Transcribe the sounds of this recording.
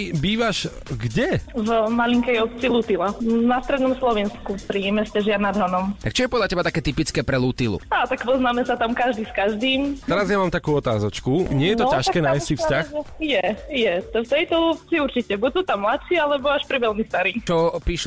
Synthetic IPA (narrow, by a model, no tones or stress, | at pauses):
biːʋaʃ | ɡɟɛvmaliŋkɛjɔp̪̚t͡silut̪ilanast̪ɾɛd̪nɔmslɔʋinskupɾiɛmɛscaʒɪanad̪ɦɔnɔmt̪ak̚t͡ʃɔjɛpɔd̪latcɛbat̪akɛːt̪ipit͡skɛːpɾɛluːt̪ilṵaːt̪akpɔznaːmɛsat̪amkaʒd̪iskaʒd̪iːmt̪ɛɾazjamaːmt̪akuːɔt̪a̰ːzɔt͡ʃkuɲɪɛjɛt̪ɔaʃkɛːnaːjssifscaxɛjɛjɛt̪ɔft̪ɛjt̪ɔlup̚t͡siuɾt͡ʃicɛbusuːt̪amːlatʃialɛbɔaʃpɾiʋɛlmist̪aɾiːt͡ʃɔpiʃ